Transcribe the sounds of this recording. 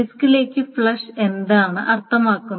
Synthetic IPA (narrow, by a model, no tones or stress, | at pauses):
iskile̞ːkʲːɨfɭɐʂe̞nd̪aːɳɨʔɐrt̪ʰːɐmaːkːunː